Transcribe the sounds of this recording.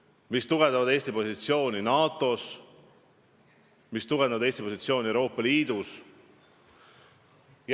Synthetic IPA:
mist̪uɡ̥end̪ɑvɑd̪e̞ːsʲt̪ipo̞sit̪sio̞ːnʲinɑːt̪ˑo̞s | mist̪uɡnd̪ɑvd̪eːsʲt̪ipo̞sit̪sio̞ːniewɾo̞ːpːɑliːd̪̥us | j

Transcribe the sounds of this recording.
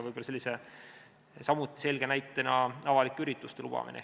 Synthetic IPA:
vɯjbolɑselʲːise | sɑmut̪ːˑise̞lʲɡ̥e̞næjt̪ːˑenɑɑvɑlikːeyɾit̪ːˑust̪elub̥ɑ̰mḭnʔḛ

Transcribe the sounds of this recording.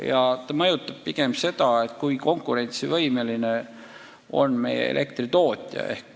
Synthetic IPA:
jɑt̪ɑmɤjut̪ːˑɑb̥̚piɡ̥e̞mse̞d̪̥ɑe̞t̪kuiko̞ŋkːˑuɾe̞nt̪sivɤjmeline | o̞̰nme̞̰jḛḛlʔe̞kt̪rit̪o̞ːt̪ʲˑjɑ̰ʔe̞̰hk

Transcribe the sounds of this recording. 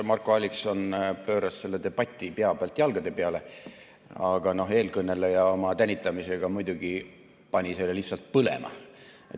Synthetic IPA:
mɑrkːˑoɑlʲːikso̞npø̞ːɾɑsse̞lːe̞d̪e̞b̥ɑt̪ʲːˑipe̞ɑb̥eɑlt̪jɑlɡ̥ɑd̪e̞pe̞ɑle̞ | ɑɡ̥ɑno̞ɦe̞ːlkɤnːelːejɑo̞mɑt̪ænʲːit̪ːˑɑmise̞ɡ̥ɑmujd̪̥uɡ̥i | pɑnʲise̞lːelihsɑlt̪̚pɤlḛmʔɑ̰ | et̪ː

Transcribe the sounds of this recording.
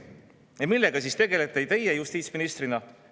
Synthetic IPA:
jɑmilːeɡɑsiːst̪e̞ɡe̞le̞t̪ːˑejt̪e̞jejust̪iːt̪sminist̪rinɑ

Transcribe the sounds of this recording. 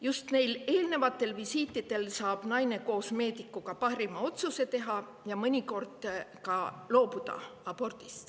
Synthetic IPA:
just̪ne̞jle̞ːlne̞vɑt̪ːˑe̞lvisiːt̪ːˑid̪̥e̞lsɑːb̥nɑjne̞ko̞ːsme̞ːd̪ikːˑukɑpɑɦɾimɑo̞t̪suse̞t̪e̞ɦɑ | jɑmɤnʲiko̞rd̪̥kɑlo̞ːpud̪̥ɑ̰ɑb̥o̞rt̪ist̪

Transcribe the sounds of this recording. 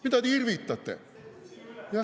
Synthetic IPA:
mit̪æt̪iirʋiːt̪ːɑt̪ːḛ | jɑ

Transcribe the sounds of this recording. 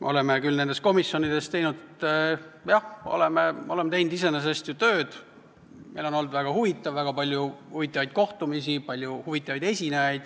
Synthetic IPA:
o̞le̞mekylne̞nd̪est̪̚ko̞misːjo̞nid̪̥est̪e̞jnud̪et̪ːjɑho̰le̞meole̞mːet̪e̞jnd̪̥is̬e̞nes̬est̪jut̪ø̞ːd̪̥ | me̞jlo̞no̞ld̪væɡ̥ɑhuvit̪ːˑɑvːæɡ̥ɑpɑlʲjuhuvit̪ːˑɑvɑjd̪̥̚ko̞ht̪umisipɑlʲjuhuvit̪ːˑɑvɑjd̪̥e̞sʲinejɑjd̪̥

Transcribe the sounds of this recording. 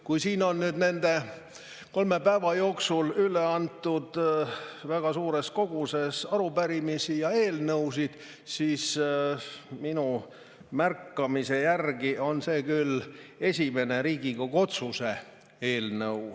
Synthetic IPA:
kujsiːno̞nnyːd̪ne̞nd̪e̞ | ko̞lme̞pæevɑjo̞ːksulyleɑnt̪ːˑud̪̥ | væɡ̥ɑsuːɾesko̞ɡ̥use̞sɑɾupæɾimisijɑe̞ːlnɤwsid̪̥ | siːs | minu | mærkːɑmise̞jærɡio̞nse̞ːkylːe̞sʲime̞ne̞ɾiːɡ̥ikoko̞t̪suse̞ | e̞ːlnɤw

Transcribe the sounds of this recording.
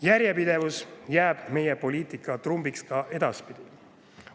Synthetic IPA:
jæɾjepid̪̥e̞vusjæːb̥me̞jepo̞liːt̪ikːˑɑt̪rumbikskɑʔe̞d̪ɑspid̪̥i

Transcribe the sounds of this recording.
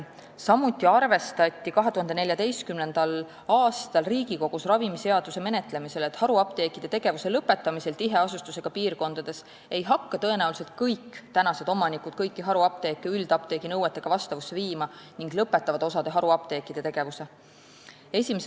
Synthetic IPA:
sɑmut̪ːˑiɑrve̞st̪ɑt̪ʲːˑikɑɦe̞t̪uhɑnd̪enelʲjɑd̪e̞jst̪̚kymne̞nd̪̥ɑl | ɑːst̪ɑlriːɡ̥iko̞ɡ̥usrɑvimise̞ɑd̪use̞me̞net̪le̞mise̞let̪ːˑhɑɾuɑp̚t̪e̞ːkːˑid̪̥et̪e̞ɡ̥e̞vuse̞lɤpːˑe̞t̪ːˑɑmise̞lt̪iɦe̞ɑsust̪use̞ɡ̥ɑpiːrko̞nd̪ɑd̪̥e̞s | e̞jɦɑkːɑt̪ɤ̞e̞næulise̞lt̪̚kɤjkːˑt̪ænɑse̞d̪o̞mɑnikud̪̥̚kɤjkːiɦɑɾuɑp̚t̪e̞ːkːeyld̪ɑp̚t̪e̞ːɡ̥inɤwet̪ːˑe̞ɡ̥ɑvɑst̪ɑvusːeviːmɑniŋɡlɤpːˑe̞t̪ːˑɑvɑd̪̥o̞sɑd̪̥e̞ɦɑɾuɑp̚t̪e̞ːkːˑid̪̥e̞t̪e̞ɡ̥e̞vuse̞ | e̞sʲimes

